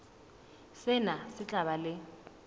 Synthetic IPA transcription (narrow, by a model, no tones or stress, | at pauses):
sɪnasɪt͡ɬʼaβalɪ